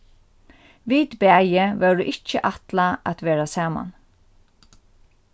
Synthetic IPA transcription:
ʋiːd̪bæjəʋɛduʔɪt͡ʃːəʔat̪laʔat̪ʋeːɹasɑːma̰n

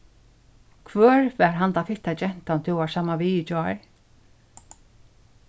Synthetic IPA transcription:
kʰvœːɹfɛɹɦant̪afɪt̪ad͡ʒɛn̥t̪ant̪ʰɪwasaːmaʋiɪd͡ʒɔɹ

